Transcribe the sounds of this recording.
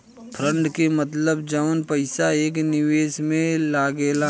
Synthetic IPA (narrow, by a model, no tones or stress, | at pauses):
pʰɾə̃ɳɖkemət̪ləbd͡ʒəʋənpɐɪsaeːk̬nɪʋeːsmẽlaːɡela